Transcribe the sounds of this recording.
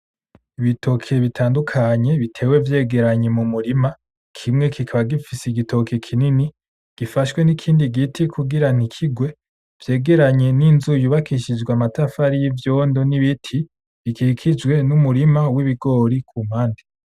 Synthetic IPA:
iβitʰo̞kʰe̞βitʰaːndukʰaɲe̞βitʰe̞ːwe̞vje̞ːɡe̞ɾaɲe̞mumuɾima | kʰimŋe̞kikʰaβaɡifiseiɡitʰo̞kʰekʰinini | ɡ̥ifaʃwe̞nikʰiːndiɡitʰikʰuɡiɾan̥ikʰiɡwe̞ | v̥je̞ːɡe̞ɾaɲe̞ninzujuβakiʃid͡ʒɡwamatafaɾijivjo̞ːndo̞niβitʰi | βikikʰid͡ʒɡwe̞numuɾimawiβiɡo̞ɾikʰuːm̥haːndi

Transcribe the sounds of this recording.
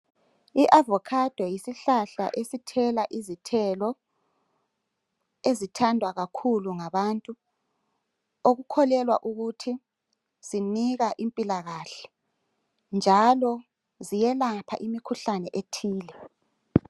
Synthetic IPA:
iʔavɔkʰad̥ʱwɛjisiɬaɬa̰ʔesitʰɛlaʔizitʰɛlɔ | ezitʰandʱwaɣakʰuluŋaβantʼu | oɣukʰɔlɛlwa̰ʔuɣutʰi | z̥iniɣaʔimpʼilaɣaɬɛ̥ | nd͡ʒʱalɔ | zijɛlapʰa̰ʔimikʰuɬanɛʔetʰiːlɛ

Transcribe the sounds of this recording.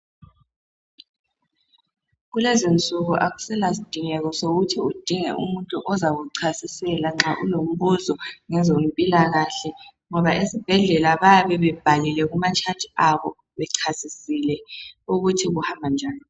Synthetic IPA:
ɣulɛzont͡sʼuɣuʔaɣu̥sɛlasid̥ʱiŋɛɣɔsoɣutʰiud̥ʱiŋɛ̰ʔṵmuntʼuʔɔzaɣuǀʰasisɛlaŋ͡ǁaʔṵlom̩βuzɔŋɛzom̩pʼilaɣaɬɛŋɔβaʔesib̥ʱɛɮɛlaβajaβɛβɛb̥ʱalilɛɣumat͡ʃʰatʼiaβɔ̰ | βɛǀʰasisilɛuɣutʰiɣuhambʱand͡ʒʱaːni

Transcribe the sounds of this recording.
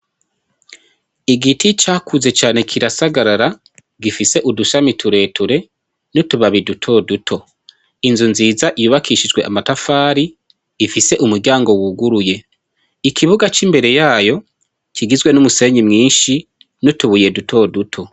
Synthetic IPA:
iɡitit͡ʃaːkʰuze̞t͡ʃaːne̞kʰiɾasaɡaɾaɾa | ɡifise̞ʔuduʃamitʰuɾe̞tʰuɾe̞ | nutuβaβidutʰo̞dutʰo̞ | inzunziːzaʔijuːβakʰiʃid͡ʒɡwe̞̰ʔamatafaːɾiː | fise̞ʔumuɾɟaːŋɡo̞wuɡuɾuje̞ | ikʰiβuɡat͡ʃimbe̞ɾe̞jaːjo̞ | kiɡizɡwe̞numuse̞ɲimŋiːnʃi | nutuβuje̞dutʰo̞dutʰo̞

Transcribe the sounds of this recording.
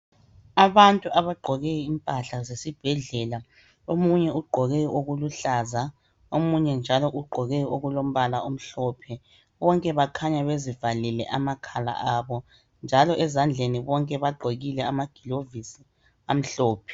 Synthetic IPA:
aβantʼuʔaβaɡ͡ǃʱɔɣɛjimpʼaɬazesib̥ʱɛɮɛla | omuɲɛuɡ͡ǃʱɔɣɛjoɣuluɬaza | omuɲɛnd͡ʒʱalɔʔuɡ͡ǃʱɔɣɛoɣulom̩βalaom̩ɬɔpʰɛ | βɔŋkʼɛβakʰaɲaβezivalilɛ̰ʔamakʰala̰ʔaβɔ | nd͡ʒʱalɔʔɛzand͡ɮʱeniβɔŋkʼɛβaɡ͡ǃʱoɣilɛamaɡ̥ʱilovisi | am̩ɬɔːpʰɛ̥

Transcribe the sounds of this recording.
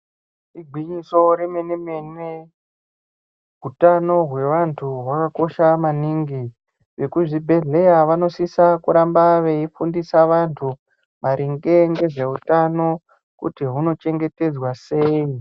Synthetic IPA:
iɡʱwiɲiso̞ɾemenemene | ɦutano̞ɦwe̞ʋantʰuɦwakako̞ʃamaniŋɡi | ʋe̞kuʐibʱe̞ɮe̞jaʋano̞sisakuɾambaʋe̞ifundisaʋantʰu | maɾʔiŋɡe̞ŋɡe̞ʐe̞ɦutano̞ | kṵtiɦuno̞t͡ʃe̞ŋɡe̞te̞d͡zwase̞i

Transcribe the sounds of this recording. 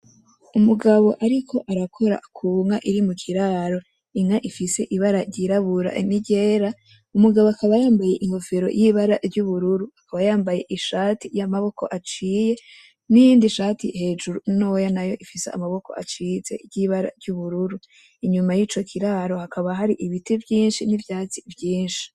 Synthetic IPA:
umuɡaβo̞ʔaɾikʰo̞ʔaɾakʰo̞ɾa̰kʰuːŋaʔiɾimukʰiɾaɾo̞ | iŋaʔifise̞ʔiβaɾaɟiɾaβuɾa̰ʔiniɟe̞ːɾa | umuɡaβoakaβajaːmbaje̞ʔiŋɡo̞feɾo̞̰jiβaɾaɾɟuβuɾuɾuakaβajaːmbaje̞̰ʔiʃaːtijamaβo̞ko̞̰ʔat͡ʃiːje̞ | nijiːndiʃaːtḭhe̞ːʒuɾunowjanajo̞̰ʔifisḛa̰maβo̞ko̞̰ʔa̰t͡ʃize̞̰ɾɟiβaɾa̰ɾɟuβuɾuɾu | iɲumajiːt͡ʃo̞kʰiɾaɾo̞hakaβaɦaɾiʔiβitivjiːnʃinivjaːt͡sivjiːnʃi̥

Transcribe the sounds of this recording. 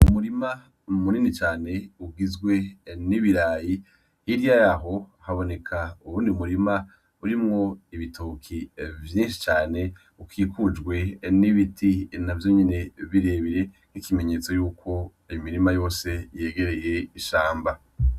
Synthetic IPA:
umuɾima | muninit͡ʃaːne̞uɡizɡwe̞niβiɾaːji | hiɾijajaɦo̞haβo̞ne̞kʰauɾuːndiumuɾima | uɾimŋo̞iβitukʰivjĩːnʃi̥t͡ʃaːne̞ | ukʰiːkud͡ʒɡwe̞niβitʰinavjo̞ɲene̞βiɾe̞βiɾe̞ | n̥ikime̞ɲe̞ːt͡so̞juːkʰo̞ | ijomiɾimajo̞ːse̞je̞ːɡe̞ɾe̞je̞iʃaːmba

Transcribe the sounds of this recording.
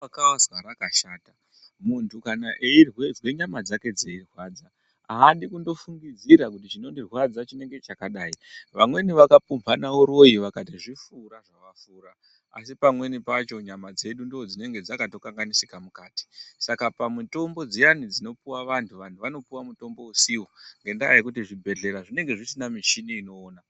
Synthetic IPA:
akawazwaɾakaʃaːta | muntukanaʔeirwed͡zweɲamad͡zake̞d͡zeirwaːd͡za | aɦaɗikundo̞fuŋɡid͡ziɾakutit͡ʃino̞ndirwad͡zat͡ʃine̞ŋɡe̞t͡ʃakaɗaːiʋamwe̞niʋakapumbanaoɾo̞jiʋakatiʐifuːɾaʐaʋafuːɾa | a̰sipamwe̞nipat͡ʃo̞ɲamad͡ze̞ɗundood͡zine̞ŋɡe̞d͡zakato̞kaŋɡanisikamukaːti̥sakapamuto̞mbo̞d͡zijanid͡zino̞puwaʋantʰuʋantʰuʋano̞puwamuto̞mbo̞usiwoŋɡe̞ndajjekutiʐibʱe̞ɮe̞ɾaʐine̞ŋɡe̞ʐisinamiʃiniːno̞ːna

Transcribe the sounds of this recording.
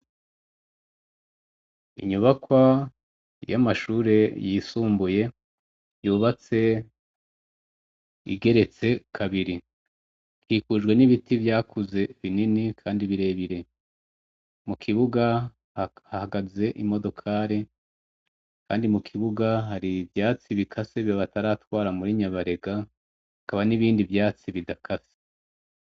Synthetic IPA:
ḭɲuβakwa | jamaʃuːɾe̞jisuːmbuje̞ | juːβat͡se̞ | ḭɡe̞ɾe̞t͡se̞kʰaβiɾi | kʰiːkuʒɡwe̞niβitivjaːkuze̞βininikʰaːndiβiɾe̞βiɾe̞ | mukʰiβuɡa | hahaɡaze̞ʔimo̞do̞kʰaːɾe | kʰaːndimukʰiβuɡaɦaɾivjaːt͡siβikʰaseβjoβataɾatwaːɾamuɾiɲaβaɾe̞ɡa | hakaβaniβiːndivjaːt͡siβidakʰase̥

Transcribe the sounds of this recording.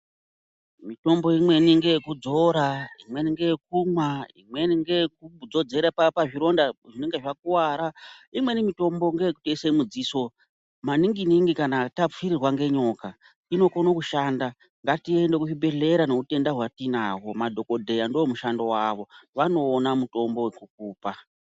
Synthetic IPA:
mito̞mbo̞imwe̞niŋɡejekud͡zo̞ɾaimwe̞niŋɡejek̚umwaḭmwe̞niŋɡek̚ud͡zo̞d͡ze̞ɾapapaʐiɾo̞ndaʐine̞ŋɡeʐakuwaːɾaimwe̞nimito̞mbo̞ŋɡe̞jekutoiseimud͡ziːso̞ | maniŋɡiniŋɡikanatap͡fiɾirwaŋɡe̞ɲo̞ka | ino̞konokuʃaːnda | ŋɡatie̞nde̞kuʐibe̞ɮe̞ɾano̞ute̞ndaɦwatinaːwo̞madʱo̞ko̞dʱe̞jandoːmuʃando̞waːʋo̞ʋano̞ːnamuto̞mbo̞wekuk̚uːpa

